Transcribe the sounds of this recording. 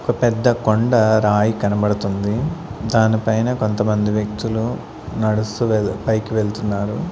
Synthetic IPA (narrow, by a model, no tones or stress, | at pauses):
okɐpɛd̪ːɐkoɳɖɐɾaːjikɐnɐbɐɽɐt̪und̪id̪aːnipɐjnɐko̞nt̪ɐmɐnd̪iʋjɐk̚t̪ulu | nɐɽust̪upɐjkiʋeɭt̪unːaːɾu